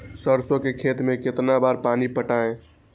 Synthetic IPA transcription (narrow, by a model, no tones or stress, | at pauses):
səɾsõkekʰet̪mẽket̪nabaɾpanipəʈaẽ